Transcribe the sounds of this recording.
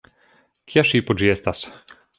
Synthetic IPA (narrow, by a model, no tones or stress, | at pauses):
kjaʃiːpɔd͡ʒijɛst̪as